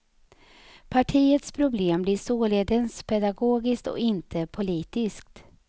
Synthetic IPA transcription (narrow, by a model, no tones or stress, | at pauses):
pʰaʈʰiːət̪spʰɾʊbleːmblɪʂoːleːd̪ənspʰɛd̪aɡoːɡɪskt̪ɔ̰ɪnt̪ʰəpʰʊliːt̪ɪsk̚t̪